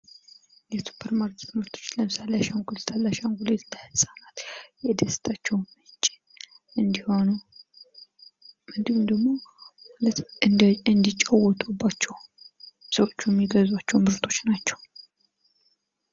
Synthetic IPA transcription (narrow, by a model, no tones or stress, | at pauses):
jɛsu̥pʰəɾmaɾkʰet̪mɨɾt̪ʰot͡ʃ̪ləmsalːaʃankulət̪ʰalːaʃanhulət̪ːləhɨsʼanat̪jɛd̪əst̪ʰat͡ʃːɛwmɨt͡ʃʼi | ʔɨnd̪ihonu | mɨd̪ɨmmd̪əɡmo̞malət̪ɨɨnd̪it͡ʃʼawɔt̪ʼubːat͡ʃːɛw | səwo̞t͡ʃːujɛmːiɡəzwat͡ʃːɛwmɨɾt̪ʰo̞t͡ʃːnat͡ʃːɛw